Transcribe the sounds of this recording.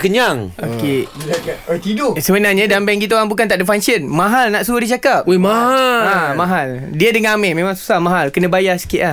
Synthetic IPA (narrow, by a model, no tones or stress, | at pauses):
kəɲaŋoke | t̪idosəmənarɲãdambɛŋkit̪oaŋbukant̪aʔdəfaŋsənmãɦalnaʔsuərdit͡ʃakap̚omaɦaamãɦal | diədəŋmɛmẽmãŋsu̥sahmãɦalkənə̃bajasə̥kiʔlah